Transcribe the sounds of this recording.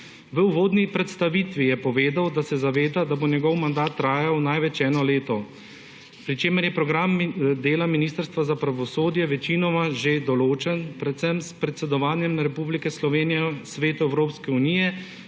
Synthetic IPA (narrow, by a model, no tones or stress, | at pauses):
ʋəuʋoːd̪nipɾɛt̪st̪aʋit̪ʋijɛpɔʋeːd̪awd̪asɛzaʋeːd̪ad̪abonjɛɡɔwmand̪aːt̪ːɾaːjawnajʋɛt͡ʃɛːnɔleːt̪ɔ | pɾit͡ʃeːmɛɾjɛpɾɔɡɾamd̪eːlaminist̪əɾst̪ʋazapɾaʋɔsoːd̪jɛʋɛt͡ʃinɔmaʒed̪ɔloːt͡ʃɛnpɾɛt̪sɛmspɾɛt̪sɛd̪ɔʋaːnjɛmɾɛpublikɛslɔʋeːnijɛsʋeːt̪uɛwɾoːpskɛunijɛ